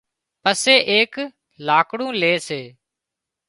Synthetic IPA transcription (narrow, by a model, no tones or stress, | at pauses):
pəseːʔeːk | laːkɽũːleːseː